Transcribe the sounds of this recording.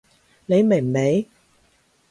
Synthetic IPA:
ne˨˧jme˨˩˨me˨˧j

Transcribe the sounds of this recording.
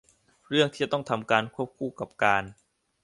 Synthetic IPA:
ɾɯ˥˩əŋt̪ʰiː˥t͡ɕa˨˩t̪ɔ˥˩ŋt̪ʰa˧mkaː˧nkʰu˥˩əp̚kʰuː˧˩ka˨˩p̚kaː˧n

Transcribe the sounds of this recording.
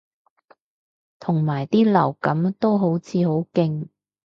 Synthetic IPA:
t̪ʰʊ˨˩ŋmaː˨˩jt̪iː˥lɐ˨˩wkɐ˨˥mt̪o˥wɦo˨˥wt͡sʰiː˨˧ho˨˥wkɪ˧ŋ

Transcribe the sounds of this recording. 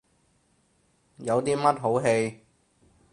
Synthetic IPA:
jɐ˨˧wt̪iː˥mɐ˥t̚ɦo˨˥wɦe˧j

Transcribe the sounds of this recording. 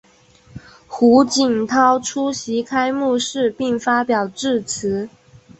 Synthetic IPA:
xu˧˥t͡ɕi˨˩ŋt̪ʰɑ˥ʊʈ͡ʂʰu˥ɕi˧˥kʰa˥ɪmu˥˧ʂɻ̩˥˧pi˥˩ŋfa˥pjɑ˨˩ʊʈ͡ʂɻ̩˥˩t͡s̩ʰ˧˥

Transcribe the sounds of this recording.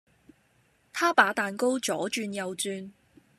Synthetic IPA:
t̪ʰaː˥paː˨˥t̪aː˨nko˥wt͡ʃɔː˨˥t͡ʃyː˧njɐ˨wt͡syː˧n

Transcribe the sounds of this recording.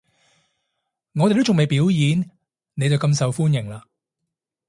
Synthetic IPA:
ŋɔː˨˧te˨t̪t͡ʃʊ˨ŋme˨˩jpiː˨˥wjiː˨˧n | ne˨˧jt͡sɐ˨wkɐ˧msɐ˨wfuː˥njɪ˨˩ŋlaː˧

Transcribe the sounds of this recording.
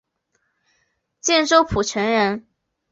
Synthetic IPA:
t͡ɕjɛ˥˧nʈ͡ʂo˥ʊpʰu˨˩ʈ͡ʂʰə˧˥nɻə˧˥n

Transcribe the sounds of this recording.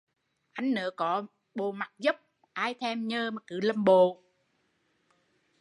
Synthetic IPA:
ʔa˧jŋ̟nə̰ː˨˦kɔ˨˦ | ɓo˨˩ma˨˩k̚zə˦˥p̚ | ʔaː˧jt̪ʰɛ˧mɲəː˧mo˨˩t̚kɨ̰˧˨˩lə˧˩mɓo˨

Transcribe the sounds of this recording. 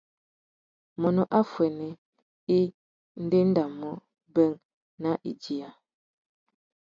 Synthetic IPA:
mɔ˨nɔ˨ʔa˦fwɛ˨nɛ˨ | i˦ | n̩˦de˦n̩˦da˨mɔ˦ | bə˦ŋ | na˦ʔi˨d͡ʒi˨a˨

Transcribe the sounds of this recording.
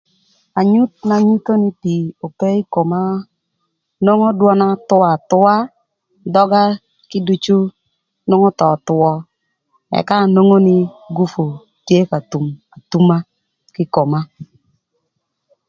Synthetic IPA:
a˨ɲu˦t̪̚na˨ɲu˦to˦nɪ˦ti˨o˨ke˦i˦ko˨ma˦ | no˦ŋo˦dwɔ˦na˦tʊ˦a˨tʊ˦a˦ | dɔ˦ɡa˦ | kɪ˦du˦t͡ʃu˦ | no˦ŋɔ˦tɔ˨t̪ʊ˨ɔ˦ | ɛ̰˨ka˦˨no˦ŋo˦nɪ˦ɡu˦fo˨ | tje˦ka˨tu˨ma˨tu˦ma˦ | kɪ˦ko˨ma˦

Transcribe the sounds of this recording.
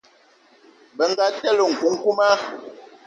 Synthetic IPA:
bə˨ŋ˦ɡa˦tɛ˦lo˨ŋ̩˨ku˨˦ŋ̩˦ku˦ma˦

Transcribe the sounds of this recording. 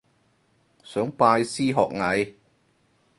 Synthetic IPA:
sœː˨˥ŋpaː˧jsiː˥ɦɔː˨k̚ŋɐ˨˧j

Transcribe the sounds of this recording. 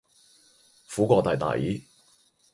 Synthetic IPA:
fuː˨˥kʷɔː˧t̪aː˨˩jt̪a̰ː˨˩jḭː˨˥

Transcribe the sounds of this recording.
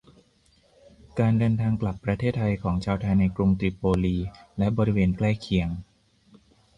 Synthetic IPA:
kaː˧ndɤː˧nt̪ʰaː˧ŋkla˨˩pːɾa˧t̪ʰeː˥˩t̪ʰːa˧jkʰɔː˩˦ŋt͡ɕʰaː˧wt̪ʰa˧jna˧jkɾu˧ŋt̪ɾi˨˩pːoː˧liː˧lɛ˦˥bɔː˧ɾi˦˥weː˧nklɛː˥˩kʰi˨˩˦əŋ

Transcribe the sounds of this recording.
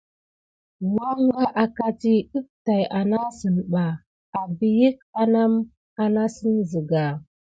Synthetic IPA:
wa˦ŋ˦ɡa˦ʔa˨ka˦ti˦ɗə˦p̚ta˨jʔa˨na˦sə˨nɓa˨ | a˨bi˨ji˦k̚a˦na˦m | a˨na˦sə˦nzə˨ɡa˨

